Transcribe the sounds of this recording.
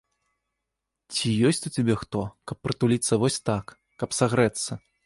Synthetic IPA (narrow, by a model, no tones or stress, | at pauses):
t͡sʲijɔsʲt͡sʲut͡sʲabʲɛxt̪ɔkɐpːɾɨt̪ulʲit̪sːɐvɔsʲt̪akː | ɐpsaɣɾɛt̪sːɐ